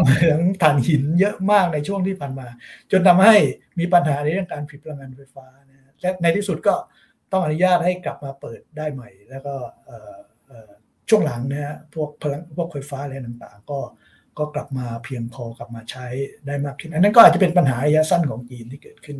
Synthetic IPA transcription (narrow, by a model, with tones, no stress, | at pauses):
m˧a˦ŋt̪ʰaː˨˩nhi˨˦njɤ˦˥ʔmaː˥˩k̚na˧jt͡ɕʰu˥˩əŋt̪ʰiː˥˩pʰaː˨˩nmaː˧t͡ɕo˧nt̪ʰa˧mha˥˩j | miː˧pa˧nɦaː˩˦na˧jɾɯ˥˩əŋkaː˧npʰi˨˩p̚ʰa˧a˧ŋa˧nfa˧jfaː˦˥na˦˥a˦˥lɛː˦˥na˧jt̪ʰiː˥˩su˨˩t̪̚kɔː˥˩ | t̪ɔ˥˩ŋʔa˧nu˦jaː˥˩t̪̚ha˥˩jkla˨˩p̚maː˧pɤː˨˩t̪̚daː˥˩jma˨˩jlɛː˦˥wkɔː˥˩ʔəː˨˩ | ʔəː˨˩ | t͡ɕʰu˥˩əŋla˩˦ŋna˦˥ha˧˥pʰu˥˩ək̚pʰla˧ŋpʰu˥˩ək̚fa˧jfaː˦˥lɛː˧nt̪a˨˩ŋt̪a̰ː˨˩ŋkɔː˥˩ | kɔː˥˩kla˨˩p̚maː˧pʰi˧əŋpʰɔː˧kla˨˩p̚maː˧t͡ɕʰa˦˥jdaː˥˩jmaː˥˩kʰːɯ˥˩nʔa˧nːa˦˥nka˨˩t̚t͡ɕa˨˩pe˧npa˧nɦaː˩˦ɾa˧jaː˦˥sa˥˩nkʰɔː˩˦ŋt͡ɕiː˧nt̪ʰiː˥˩kɤː˨˩t̪̚kʰɯ˥˩n